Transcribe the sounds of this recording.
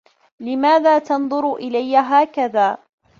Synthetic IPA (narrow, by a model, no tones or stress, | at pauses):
lɪmaːðaːt̪ɑnðˤʊɾʔɪlajːaɦaːkaðaː